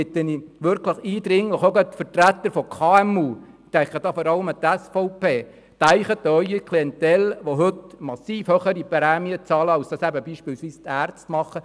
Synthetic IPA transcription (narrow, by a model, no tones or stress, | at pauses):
ɪt̪ːəniʋʏɾkləχiːd̪ɾɪŋləχoɡət̪fərtɾæt̪ːəɾfɔkʰɑːɛmuː | t̪æŋkχəd̥ɑːfɔɾɑləmət̪ɛsfɔʊpʰeː | t̪æɪχət̪ːœʏikʰliɛnt̪ɛlʋoɦɵt̪mɑsiːfhøχəɾipɾɛːmiət͡sɑːləɑwsd̥ɑːsæbəbiːʃpɪːlsʋiːst̪æːrt͡stmɑχːə